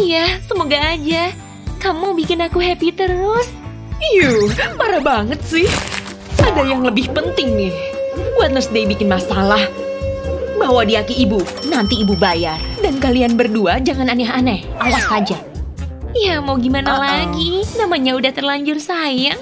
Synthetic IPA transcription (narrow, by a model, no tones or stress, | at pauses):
jasəmoɡaːd͡ʒa | kamubikɪnakuɦɛpit̪əɾʊs | ijupaɾabaŋət̪̚sɪh | sadajaŋləbɪhpənt̪ɪŋnɪhbuat̪̚ləɾsdaibikɪnmasalah | baɦwadiakiːbu | nant̪iːbubajadankalianbərduad͡ʒaŋananiɦanaʔawasad͡ʒa | jamawɡimanalaɡinamaɲaudaht̪ərlaɲd͡ʒʊrsaja